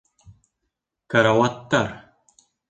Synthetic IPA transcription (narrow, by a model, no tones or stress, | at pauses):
kaɾawat̪ːar